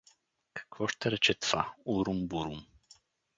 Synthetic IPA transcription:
kḁkvoʂt̪əɾet͡ʃɛt̪fauɾumbuɾum

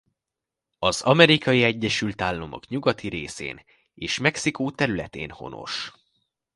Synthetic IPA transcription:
ɒzɒmɛɾikɒjiɛɟːɛʃylt̪aːlːomo̰kɲuɡɒt̪iɾeːsḛːn | eːʃmɛksikoːt̪ɛɾylɛt̪ḛːnho̞̰no̞̰ʃ

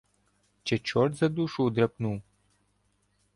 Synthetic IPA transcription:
t͡ʃɛt͡ʃɔrt̪zɐd̪uʃud̪ɾɐpnuw

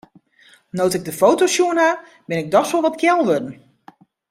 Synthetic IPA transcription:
nowtɪɡ̚dəfowtosjuəna | bɪnɪɡ̚dɔxsɔlˠʋɔtkʰjɛlˠʋødən̩

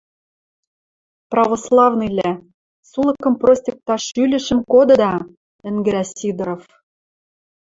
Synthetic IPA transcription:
prɑvoslˠɑvnɤjlʲæ | sulˠɤ̆kɤ̆mprosʲtʲek̚t̪ɑʃylʲɘ̆ʃə̆mkod̪ɤ̆d̪ɑ | ɘ̆nɡɘ̆ɾæsʲid̪ɾof

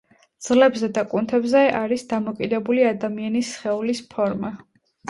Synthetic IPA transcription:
d̪z̥lɛbzɛd̪akʼunt̪ʰɛbzɛʔaɾisd̪amɔkʼid̪ɛbuliad̪amianisχɛulispʰɔɾma

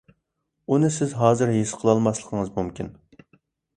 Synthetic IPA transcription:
unɨsɪzɦɑːzɨɾɦesqʰəlˠɑlˠmɑslˠəqʰəŋɨzmumkʲʰin

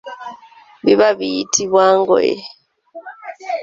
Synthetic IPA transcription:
biβaβiitʰiβwaŋɡɔ̰jɛ̰

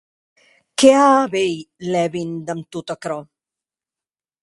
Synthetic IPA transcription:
keaːbejlɛβind̪amt̪ut̪akɾɔ

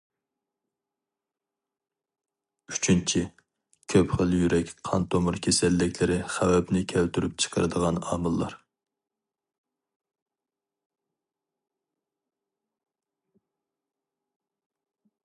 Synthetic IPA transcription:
yt͡ʃʰynt͡ʃʰi | kʲʰøpχəlˠjyɾɛkʲqʰɑnt̪ʰomʊɾkʲʰesɛlːɪkʲlɪɾɪχæwɛpnɪkʲʰælt̪yɾyp̚t͡ʃʰə̥qʰəɾɨ̰d̪əʁɑnɑ̰ːmɨlˠːɑ̰ɾ

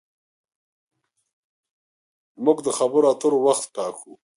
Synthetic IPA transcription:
mʊɡd̪əxabəɾoat̪əɾowaxt̪ʈɑːkʰu

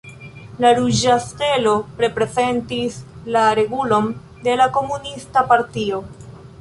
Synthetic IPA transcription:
laɾuʒaske̞lo̞pɾe̞pɾe̞ze̞ntislaɾe̞ɡulo̞n | de̞lako̞munistapaɾtio̞

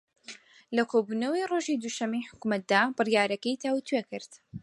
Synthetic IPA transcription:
lɐkʰobuːnɐwiroːʒiːd̪uʃɐmːijħʊ̥kumɐt̪̚d̪aːbɨrjaːɾɐkɐjt̪ʰawt̪ʰwekɨɾt̪

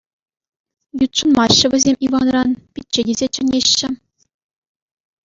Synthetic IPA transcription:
jut̪ʂɤ̆nmɑɕːɤ̆ʋʲɘ̆zʲemʲʔiʋɑnrɑnpʲit̚ʲt͡ɕːɘ̆dʲizʲet͡ɕɘ̆nʲeɕːɘ̆

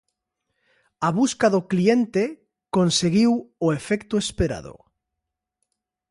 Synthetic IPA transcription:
aβuskaðoklient̪e | konseɣiwoefɛkt̪oespeɾa̰ðo̰

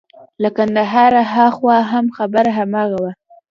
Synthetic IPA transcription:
lakand̪aɦɑɾaɦaxwɑɦamxabəɾaɦamɑɣawa

